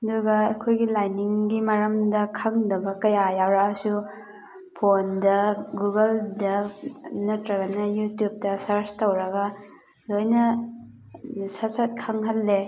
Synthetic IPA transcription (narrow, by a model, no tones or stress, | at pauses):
nduɡɐɐkʰojɡilajniŋɡimɐɾɐmdɐkʰaŋdɐbɐkɐjajawɾaɐsu | pʰondɐɡuɡɐldɐnɐtɾɐɡɐnɐjutjup̚tɐsɐɾstɐwɾɐɡɐ | lojnɐ | sɐsɐt̚kʰaŋɦɐlːe